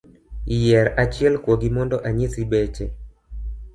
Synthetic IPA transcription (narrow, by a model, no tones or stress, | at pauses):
jɛɾat͡ʃɪɛlkwoɡimɔndɔʔaɲisibɛt͡ʃe